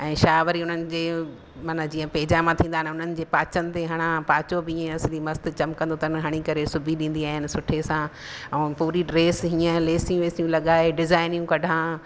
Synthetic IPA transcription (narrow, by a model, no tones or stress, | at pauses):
ɛ̃ːʃaːʋəɾiʊn̤ənɪ̆d͡ʑeː | maːnad͡ʑiːə̃peːd͡ʑamãt̪ʰĩːnd̪aːɦɪ̃nʊn̤ənɪ̆d͡ʑeːpaːt͡ɕənɪ̆t̪eɦɐɽ̃ãpaːt͡ɕobɪiːẽɐslimɐst̪ɪt͡ɕɐmkɐ̃nd̪ot̪ənɦɐɽ̃ikɐɾesʊbʱiɗĩːnd̪iaːɦɪnɪ̆sʊʈʰesã | ɛ̃ːpuːɾiɖɾeːsɦiːə̃leːsijũʋeːsijũlɐɠaːeɖɪzaːɪnjũkɐɖʱãː